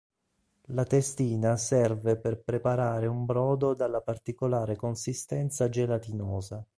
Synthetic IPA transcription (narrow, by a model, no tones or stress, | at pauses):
lat̪est̪iːnasɛrveperpɾepaɾaːɾeumbɾɔːd̪od̪alːapart̪ikolaːɾekonsist̪ɛnt̪sad͡ʒelat̪inɔːza